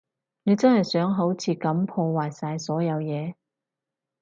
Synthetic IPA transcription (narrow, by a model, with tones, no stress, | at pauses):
ne˨˧jt͡sɐ˥nhɐ˨jsœː˨˥ŋɦo˨˥wt͡sʰiː˧kɐ˨˧˥mpʰɔː˧waː˨jsaː˧jsɔː˨˥jɐ˨˧wjɛː˨˧